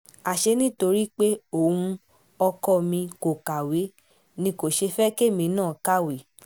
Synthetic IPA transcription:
a˨ʃe˧nĩ˦to˧ɾi˦k͡pe˦o˨ũ˧ | ɔ˧kɔ˦˨mĩ˧ko˨ka˨we˨˦ | nĩ˧ko˨ʃe˧fɛ˦ke˦˨mĩ˧˦nãː˦˨ka˦we˨

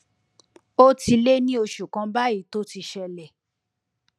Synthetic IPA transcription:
o˦ti˧le˦nĩ˦o˧ʃu˨kã˧˦ba˦i˨˦to˦ti˧ʃɛ˧lɛ˨

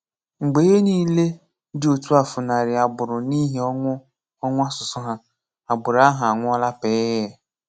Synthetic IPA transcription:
ŋ͡m̩˨ɡ͡be˨je˦niː˦le˦ | dɪ˦o˨tu˦a˨fʊ˨na˨ɾɪ˨a˨bʊ˨ɾʊ˨ni˦ɦi˨˦ɔ˦ŋʷʊ˦ | ɔ˦ŋʷʊ˦a˦sʊ˨sʊ˦ɦa˦ | a˨bʊ˨ɾa˦ɦa˨a˨ŋʷʊ˦ɔ˦la˦pe˦jɛ˦˨

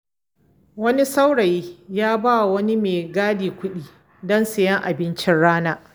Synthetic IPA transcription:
wɐ˦ni˦sa˦wɽɐ˨jiː˦jaː˦ba˦˨wɐ˦ni˦meː˨ɡaː˦diː˨kʷʊ˦ɗiː˦ | dɔ˦nsɪ˨jɐ˦ŋʔa˨bɪ˦nt͡ʃɪ˦nɽaː˦naː˦

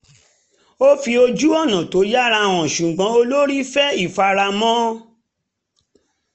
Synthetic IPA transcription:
o˦fi˧o˧d͡ʒu˦ɔ˦˨nã˨to˨˦ja˦ɾa˧w̃ɔ̃˨ʃũ˨ɡ͡bɔ̃˨˧˦o˧lo˦ɾi˦fɛ˦i˦˨fa˧ɾa˧mɔ̃˦

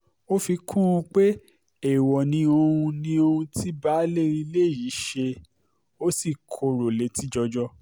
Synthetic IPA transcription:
o˦fi˧kʰũ˦ũ˧k͡pe˦ | e˦˨wɔ˨nĩ˧o˧hũ˧nĩ˧o˧hũ˧tʰi˦ba˦le˦ɾĩ˧le˦˨ji˨˦ʃe˧ | o˦si˦˨kʰo˧ɾo˨le˨˦ti˦d͡ʒɔ˧d͡ʒɔ˦

